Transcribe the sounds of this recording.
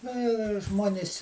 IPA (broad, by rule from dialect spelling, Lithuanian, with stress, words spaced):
ˈnɐ jɛʊ ɪr ˈʒmuɔnʲɪsʲ